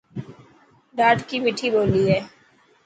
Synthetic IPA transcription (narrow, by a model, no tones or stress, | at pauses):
ɖaːʈkimiʈʰiboːliɦɛː